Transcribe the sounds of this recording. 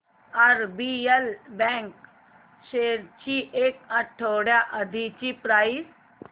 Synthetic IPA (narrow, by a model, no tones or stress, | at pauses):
aɾbielbɛ̃ŋk | ʃeːɾt͡ɕiʔekɐʈʰoɽjaʔɐd̪ʱit͡ɕipɾaːis